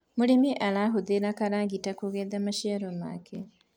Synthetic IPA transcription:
muɾemiʔalaɦuðeɾakaɾaːŋɡitakuɣeːðamaʃaɾoma̰ːkʰe

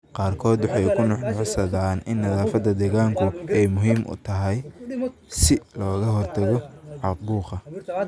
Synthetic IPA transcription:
qɑːrkʰɔːd̪wɑħɑjkʰʊnɑʕnʕsɐðaːnɪnːɐðaːfɐd̪ːɐd̪ɛːɣaːŋkʰʊɛjmʊɦiːmʔʊ̰t̪ʰɐɦɛj | sɪlɔːɣɐɦɔrt̪ʰɐɣɔʕɑq̚buːqɐ

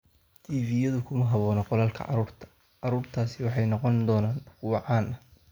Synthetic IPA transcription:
t̪ʰiːviːjɐðʊkʰʊmɐɦɐβɔːnɐqɔlaːlkʰɐ̰ʕɑ̰ɾuːrt̪ʰɐ̥ | ʕɑɾuːrt̪ʰaːsɪwɑħɑjnɔqɔnd̪ɔːnaːnkʰʊwɑʕɑːnʔɐ

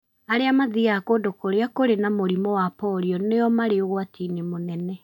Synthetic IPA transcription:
aɾeamaðiakodokoɾeakoɾenamoɾimɔwapɔɾiɔnejɔmaɾeoɣwatinemonɛnɛ

